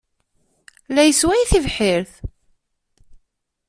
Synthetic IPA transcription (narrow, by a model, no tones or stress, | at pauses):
læjəswæjiθivħɪɾθ